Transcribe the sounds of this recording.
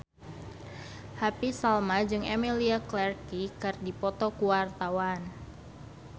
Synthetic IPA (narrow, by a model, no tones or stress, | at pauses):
hapisalmad͡ʒɨŋɛmiliaklɛrkikɨrdipɔt̪ɔkuwart̪awan